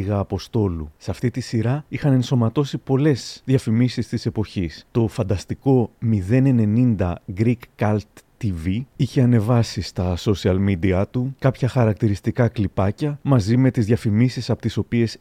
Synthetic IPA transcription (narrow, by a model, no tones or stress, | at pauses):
iɣɐːpo̞st̪o̞lusɐft̪it̪isiɾɐixɐne̞nso̞mɐt̪o̞sipo̞le̞zðʝɐfimisist̪ise̞po̞çist̪o̞fɐnd̪ɐst̪iko̞miðe̞ne̞ne̞nind̪ɐ̰ɡɾikːɐlt̪ː | iviiçe̞ɐne̞vɐsist̪ɐso̞siɐlmid̪iɐt̪ukɐpçɐxɐɾɐk̚t̪iɾist̪ikɐklipɐcɐmɐzime̞t̪izðʝɐfimisisɐpot̪iso̞pie̞s